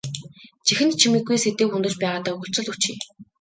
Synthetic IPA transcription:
t͡ɕixɘ̆n̚t͡ɕʰimĭɡuj̪set̪eːxund̪ɘ̆rt͡ɕpæːʁaːt̪aːɵɣɵ̆ɬt͡sɵ̆ɮut͡ɕiː

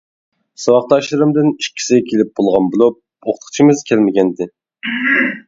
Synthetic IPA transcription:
sɑwɑq̚t̪ɑʃlˠɨɾɨmd̪ɨniʃkʲʰːi̥sɪɡʲɛkʲʰelɪp̚bolˠʁɑnbulˠup̚ | oχt̪ʰə̥χt͡ʃʰimɨzkʲʰɛlmɪɡʲɛnd̪ɪ

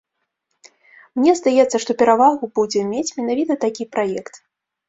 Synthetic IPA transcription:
mnʲɛzd̪ajɛt̪sːɐʂt̪ɔpʲɛɾavaɣubud͡zʲɛmʲet͡sʲmʲɛn̪avʲit̪ɐt̪akʲipɾajɛkt̪

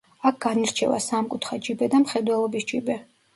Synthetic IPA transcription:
ak̚ʰɡ̥aniɾt͡ʃʰɛva̰samkʼut̪ʰχad͡ʒibɛd̪amχɛd̪wɛlˠɔbisd͡ʒibɛ

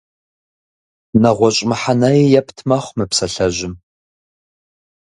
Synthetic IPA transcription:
nɐʁʷɔɕʼmɨħanajijɛpʰtʰmɐχʷmɨpsɐɬɐʒɪm

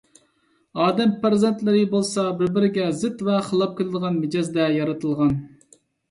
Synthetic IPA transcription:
ɑːd̪ɛmpɾɪzent̪lɪɾɪbolˠsɑbɪɾbɪɾɪɡʲɛzɪt̪vɛχəlˠɑp̚kʲʰɪlɪd̪əʁɑnmed͡ʒɑzd̪ɛjɑɾɨt̪ʰɨlˠʁɑn

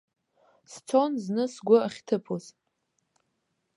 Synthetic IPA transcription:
st͡sʰonznɨsɡʷʊaχʲtʰɨpʰoz

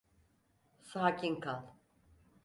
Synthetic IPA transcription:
saːcʰinkʰalˠ

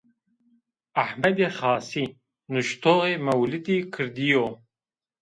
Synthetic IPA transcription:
aħmɐd̪eχɑːsi | nuʃt̪ʰoːʁemɐwlɨd̪ikʰɨɾd̪ijo

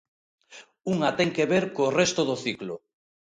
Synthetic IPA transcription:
uŋat̪ɛŋkeβeɾkoːrɛst̪oðoθiklʊ̰

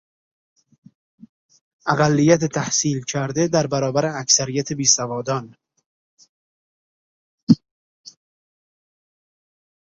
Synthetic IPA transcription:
ʔæɣælːijæt̪et̪ʰæhsiːlcʰæɾd̪ed̪æɾbæɾɒːbæɾeæksæɾijæt̪ʰebiːsævɒːd̪ɒn

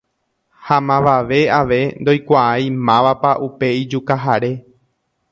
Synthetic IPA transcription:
hamãʋaʋe̞aʋe̞nd̪o̞jkʷaajmãʋapaʔupe̞id͡ʒukaɦaɾe̞

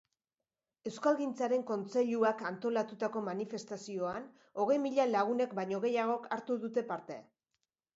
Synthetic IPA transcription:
e̞wskalɣint͡saɾe̞ŋko̞nt͡se̞ʎuakant̪o̞lat̪ut̪ako̞manife̞st̪asio̞an | o̞ɣ̞e̞jmiʎalaɣ̞une̞kbajɲo̞ɣ̞e̞jaɣ̞o̞kaɾt̪uðut̪e̞paɾt̪e̞

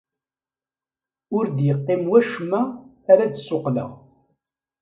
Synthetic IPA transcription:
ʊɾd̪jəqːɪmwæʃmːæː | ɾæd̪soqlə̰ʁ

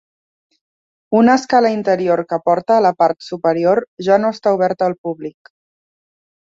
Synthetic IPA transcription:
unəːskaləint̪əɾioɾkəpɔɾt̪əːləpaɾt̪supəɾioɾʒanoəst̪auβ̞ɛɾt̪əːlˠpuβlik

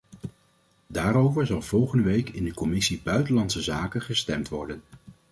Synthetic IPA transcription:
daːɾowvəɹzɑlˠv̥ɔlˠχəndəʋejkɪndəkɔmɪsibœɥtəlɑntsəzaːkəχəstɛmtʋɔɹdən

